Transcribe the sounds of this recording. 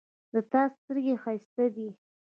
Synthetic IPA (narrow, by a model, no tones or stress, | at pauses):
d̪ət̪ɑsst̪əɾɡexast̪ad̪i